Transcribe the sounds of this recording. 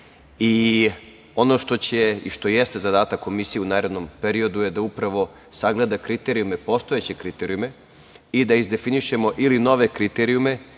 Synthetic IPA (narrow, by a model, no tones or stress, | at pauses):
i | o̞no̞ʃt̪o̞t͡ɕeḭʃt̪o̞jest̪e̞zad̪aːt̪akːo̞misijeunaːɾe̞d̪no̞mpe̞ɾio̞d̪uje̞d̪aupɾaʋo̞ | saɡle̞d̪akɾit̪eɾijume̞po̞st̪o̞et͡ɕe̞kɾit̪eɾijume̞ | id̪aizd̪e̞finiʃe̞mo̞ʔilino̞ʋe̞kɾit̪eɾiume̞